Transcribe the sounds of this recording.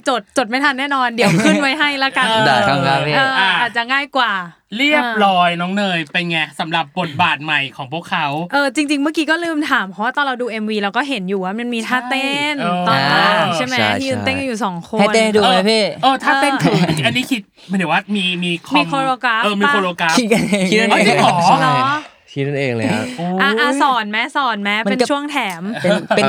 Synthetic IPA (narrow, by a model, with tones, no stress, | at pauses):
t͡ɕo˨˩t̪̚t͡ɕo˨˩t̪̚ma˥˩t̪ʰa˧nːɛː˥˩nɔː˧ndi˨˩˦wkʰɯ˥˩nwa˦˥jɦa˥˩jlɛ˦˥˩kaː˧˩˧a˧ka˦˥ʔɤ˩˧ʔa˧˩aː˨˩t̪̚t͡ɕa˨˩ŋaː˥˩jkwaː˨˩ | li˥˩əp̚lɔː˧jnɔː˨˦˥ŋnɤː˧jpe˧jŋa˦˥sa˩˦mɾa˨˩p̚bo˨˩t̪̚baː˨˩t̪̚ma˨˩jkʰɔː˩˦ŋpʰu˥˩əkʰːa˦˥wʔɤː˧t͡ɕi˧ŋt͡ɕi˧ŋmɯ˥˩əkiː˧˥kɔː˥˩lɯː˥˩mt̪ʰaː˩˦mpʰɔ˦waː˥˩t̪ɔː˧nɾa˧wduː˧ʔe˧mwiː˧ɾa˧wkɔː˥˩ɦe˩˦njuː˨˩ʔa˨˩ma˧nmiː˧t̪ʰaː˥˩t̪e˥˩nt̪ɔː˩˧a˧˩t͡ɕa˥˩mɛ˦iː˥˧ɯː˧nt̪e˥˩ŋka˧juː˨˩sɔː˩˦ŋkʰo˧a˥˩˧ne˥˩˥duː˧a˨˧˦pʰeː˥˩ʔɤː˧t̪ʰaː˥˧e˧nʰ˨˩ʔa˧nːiː˥˩kʰi˦t̪̚ʰwaː˥˩miː˧miː˧kʰmiː˧kʰoː˧ɾoː˧kɾa˦˥pʔɤː˧miː˧kːʰoː˧loː˧ka˦ki˦t̪̚ka˧˩nʰi˦t̪̚na˥˧˥ɔ˨˦˥lɔ˦˥ | kʰi˦˥t̪̚na˥˩nʔeː˧ŋla̰˦o˧ʔa˧˩ʔa˧sɔː˨˩˦nmɛ˦˥sɔː˨˩˦nmɛ˦˥pmape˧n˩t͡ɕʰu˥˩əŋt̪ʰɛː˩˦me˧npe˧